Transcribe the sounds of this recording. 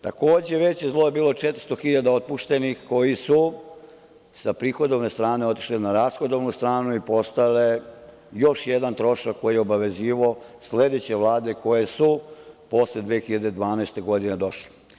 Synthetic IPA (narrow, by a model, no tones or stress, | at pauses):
t̪a̰ko̞ːd͡ʑe̞ʋe̞t͡ɕjezlˠo̞je̞biːlo̞t͡ʂet̪ɾ̥̩st̪o̞xiʎad̪aot̪̚puʃt̪e̞nixko̞jisu | sapɾiːxo̞d̪o̞ʋne̞st̪ɾaːne̞o̞t̪i̥ʃlenaɾaːsxo̞d̪o̞ʋnust̪ɾaːnuipo̞st̪ale | jo̞ʃjed̪ant̪ɾo̞ʃakːo̞jijeo̞baʋe̞ziːʋoosle̞d̪et͡ɕe̞ʋlˠaːd̪e̞ko̞je̞supo̞sled̪ʋeːxiʎad̪ed̪ʋaːnaest̪e̞ɡo̞d̪ined̪o̞ʃli̥